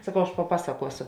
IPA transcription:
sɐˈkɐʊ ɐʃ pɐˈpɑːsɐkuɔsʊ

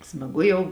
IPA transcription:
smɐˈɡʊ jɛʊ

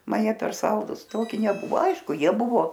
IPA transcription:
ˈmɐn ˈjiɛ pʲɛr ˈsɐlˠdʊs ˈtoːkʲɪ nʲɛˈbʊʋoː ˈɐɪʃkʊ ˈjiɛ ˈbʊʋoː

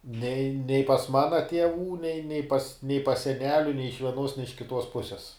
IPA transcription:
nʲɛɪ nʲɛɪ pɐs ˈmɑːnɐ tʲiɛˈʋuː nʲɛɪ nʲɛ pɐs nʲɛɪ pɐs sʲɛˈnʲæːlʲʊ nʲɛɪ ɪʃ ʋʲiɛˈnuɔs nʲɛ ɪʃ kʲɪˈtuɔs ˈpʊsʲɛs

